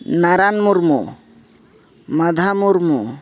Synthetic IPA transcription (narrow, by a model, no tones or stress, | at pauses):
naɾanmuɾmṵ | mad̪ʱamuɾmu